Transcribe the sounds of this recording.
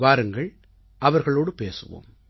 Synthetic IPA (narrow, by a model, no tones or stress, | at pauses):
ʋaːɾɯŋɡɐɭ | ʔɐʋɐɾɣɐɭoːɽɯpeːsɯʋo̰ːm